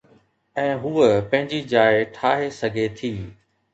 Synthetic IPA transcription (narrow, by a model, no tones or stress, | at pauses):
ɛ̃ːɦuːəpɐ̃ɦɪ̃ɲd͡ʑid͡ʑaːɪʈʰaːɦesɐɡʱet̪ʰiː